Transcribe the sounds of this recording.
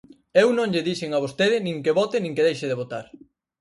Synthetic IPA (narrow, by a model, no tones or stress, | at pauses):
ewnõŋʎɪðiʃeŋaβost̪eðɪnĩŋkeβɔt̪ɪnĩŋkeðejʃɪðeβot̪a̰ɾ